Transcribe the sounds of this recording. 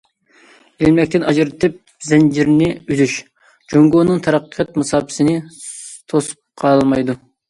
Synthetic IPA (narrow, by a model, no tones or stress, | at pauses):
elmɛkʲt̪ɪnʔɑd͡ʒɨɾɨt̪ʰɨp̚ | zɛnd͡ʒiɾnɪyzyʃ | d͡ʒoŋɡonɨŋt̪ʰɑɾɑqːɑt̪̚mɑsɑːpʰɨ̥sɪnɪt̪ʰosu̥p̚qʰɑlˠmɑjd̪u